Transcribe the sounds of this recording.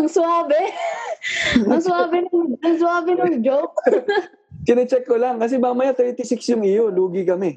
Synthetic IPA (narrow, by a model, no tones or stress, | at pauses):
ɐŋsʊaːbɪ | ɐŋsʊaːbɪnɐŋɐŋs̬ʊaːbɪnɐŋd͡ʒok̚ | kɪnɪt͡ʃɛkːolaŋkɐs̬ɛmaːmɐjat̪ɛɹt̪ɪsɪksjʊŋɪjoluːɡɪkɐmɛ